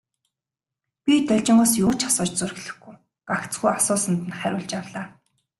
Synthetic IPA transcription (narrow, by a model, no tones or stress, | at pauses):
pʲit̪œɮt͡ɕɪ̆ɴɢɔːsjuːt͡ɕʰḁsɔːt͡ɕt͡surɣɮɘ̆xɡuj | kakt͡sɡujasʊːsə̆nt̪ɘ̆nχæɾʲʊːɮt͡ɕawɮaː